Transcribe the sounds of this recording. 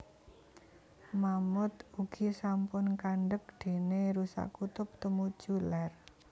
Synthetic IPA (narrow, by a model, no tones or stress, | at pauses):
mamʊt̪uɡ̥isampʊnkaɳɖək̚ɖ̪̥e̤neɾusa̰kut̪ʊp̚t̪əmu̥ʒ̥ular